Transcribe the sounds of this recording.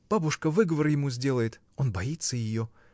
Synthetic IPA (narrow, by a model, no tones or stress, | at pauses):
b̥abʊʂkəvɨɡəvərjɪmuzʲdʲe̞lˠəjɪt̪ | o̞nbɐit̪səjɪjo̞